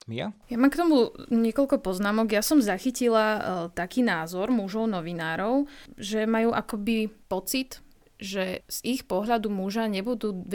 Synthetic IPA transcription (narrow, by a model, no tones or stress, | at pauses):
mjajamaːmkt̪ɔmuɲɪɛkɔʎkɔpɔznaːmɔɡjasɔmzaxicilat̪akiːnaːzɔɾmuʒɔʊnɔʋinaːɾɔʊʒɛmajuːʔakɔbipɔt͡sit̪ | ʒɛz̥ixpɔɦʎad̪umuʒaɲɛbud̪uː